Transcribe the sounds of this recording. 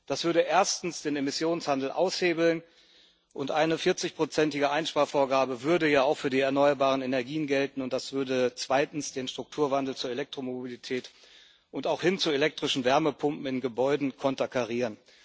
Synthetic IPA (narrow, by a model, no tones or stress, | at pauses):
d̥asv̥ʏɐɾəʔeːɐstn̩sd̥eːnemɪsjoːnshandl̩ʔa̰ʊsheːbl̩n | ʔʊntʔaɪnəfɪɐt͡sɪçpʁ̥ot͡sɛntɪɡəʔaɪnʃpaːɐfoːɐɡaːbəvʏɐdəjaːaʊxfyːɐdiːɛɐnɔʏɐbaːʁ̞ənenɛɐɡiːənɡɛltn̩ʊnt̚d̥asv̥ʏɐdət͡sv̥aɪtn̩sd̥eːnʃtʁ̥ʊk̚tʰuːɐvandl̩t͡suːɐelɛk̚tʁ̥omobilitʰɛːt | ʔʊntaʊxhɪnt͡suelɛk̚tʁ̥ɪʃn̩vɛɐməpʰʊmpm̩ɪnɡəbɔʏdn̩kʰɔntakʰaʁiːʁən